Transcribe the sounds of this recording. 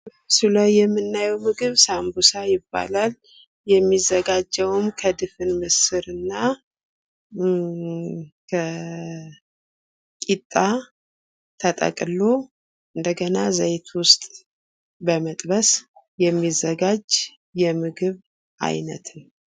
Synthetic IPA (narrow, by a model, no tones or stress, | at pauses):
sɨlawjɛmːɨnːajɛwmɨɡɨβsambusajɪbːa̰lal | jɛmːizːəɡad͡ʒːɛwmkʰəd̪ɨfɨnmɨsɨɾɨnːa | kʰə | kʼit̪ʼːa | t̪ʰət̪ʼə̰kʼlo | ʔɨnd̪əɡənazəjt̪ʰwʊst̪ʼ | bəmət̪ʼbəs | jɛmːizːəɡad͡ʒ | jɛmɨɡɨβ | ʔa̰jnə̰t̪ʰn